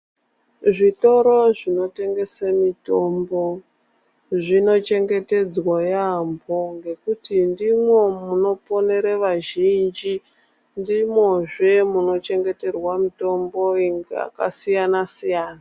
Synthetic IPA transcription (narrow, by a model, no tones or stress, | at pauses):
ʐito̞ɾo̞ʐino̞te̞ŋɡe̞samito̞mbo̞ | ʐino̞t͡ʃe̞ŋɡe̞te̞d͡zwajamboŋɡe̞kutindimwe̞muno̞po̞ne̞ɾeʋaʒind͡ʒi | ndimwoʐe̞muno̞t͡ʃe̞ŋɡe̞te̞rwamito̞mbo̞iŋɡea̰kasijanasijaːna